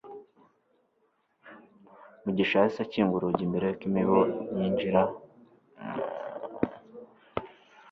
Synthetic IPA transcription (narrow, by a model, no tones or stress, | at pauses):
muɟiʃaisaciːŋɡuɾuɟimbeɾejokimiβojiɲd͡ʒiɾa